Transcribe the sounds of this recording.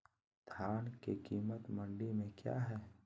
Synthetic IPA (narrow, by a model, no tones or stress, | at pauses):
d̪̥ʱjaːnkekiːmət̪mə̃ɳɖimẽkja̰ːɦɛː